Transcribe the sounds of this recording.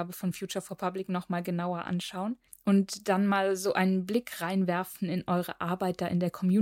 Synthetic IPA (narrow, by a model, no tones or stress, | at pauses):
bəfɔnfjuːt͡ʃɐfoːɐpʰablɪknɔχmaːlɡənaʊɐʔa̰nʃaʊən | ʔʊntd̥anmaːlzoːʔaɪnənblɪkʁ̥aɪnvɛɐfn̩ɪnʔɔʏʁə̰ʔaɐbaɪt̚d̥aːʔɪ̰ndeːɐkʰɔmjuː